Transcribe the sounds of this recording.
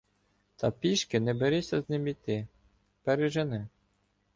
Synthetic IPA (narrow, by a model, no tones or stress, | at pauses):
t̪ʰɐpʲiʃkɪnɛbeɾisʲːɐznɪmʲit̪ɪ | pɛɾɪʒenɪ